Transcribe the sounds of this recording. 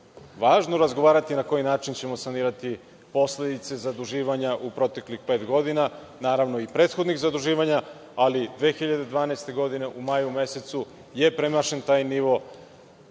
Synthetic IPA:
ʋaːʒno̞ɾazɡoʋaːɾat̪inako̞jinaːt͡ʃint͡ɕe̞mo̞saniːɾat̪i | po̞sle̞d̪it̪se̞zad̪uʒiːʋaɲaʔupɾo̞t̪e̞klixpe̞ːt̪ɡo̞d̪ina | naːɾaʋno̞ipɾeːt̪xo̞d̪nixzad̪uʒiːʋaɲa | alid̪ʋe̞ːxiʎad̪e̞d̪ʋaːneːst̪e̞ɡo̞d̪ine̞ʔumajuume̞se̞t̪su | je̞pɾemaʃe̞nt̪aːjniʋo̞

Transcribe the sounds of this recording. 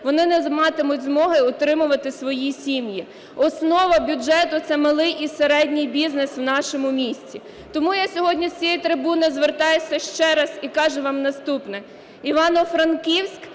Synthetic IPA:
ʋɔnɪnɛzmɑt̪ɪmʊtʲzmɔɦɪɔt̪ɾɪmʊʋɐt̪ɪsʋɔjisʲimji | ɔsnɔʋɐbʲʊd͡ʒɛt̪ʊt̪sɛmɐlˠɪjʔiseɾɛdʲnʲɪjbʲizneswnɑʃɔmʊmʲisʲt͡sʲi | t̪ɔmujasʲɔɦɔdʲnʲit͡sʲijit̪ɾɪbunɪzʋert̪ɑjesʲɐʃt͡ʃɛɾɐz̥ikɑʒɛʋɑmnɐst̪upnɛ | iʋɑnɔfɾɐnkiwsʲk

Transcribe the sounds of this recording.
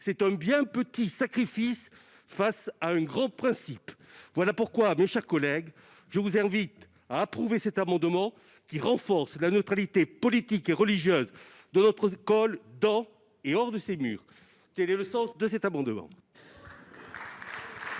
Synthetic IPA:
sɛt̪ɛ̃bjɛ̃pət̪isakχifis | fasaɛ̃ɡʁɑ̃pχɛ̃sipvwalapuʁkwameʃɛʁkɔlɛɡ | ʒəvuzɛ̃vit̪ | aːpχuvesɛt̪amɑ̃d̪mɑ̃ | kʲiʁɑ̃fɔʁslanət̪χalit̪epɔlit̪ikeʁəliʒjøz | d̪ənɔt̪χəkɔld̪ɑ̃ | eɔʁd̪əsemy̰ːʁ | k̪ɛlɛləsɑ̃sd̪əsɛt̪amɑ̃d̪mɑ̰̃

